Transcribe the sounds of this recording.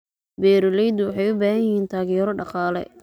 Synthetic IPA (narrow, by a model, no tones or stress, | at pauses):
bɛːɾɔlɛjd̪wɑħɑjʊbaːɦɐjhiːnt̪ʰaːɣɪjɛɾɔɖɑqɑːlɛ̰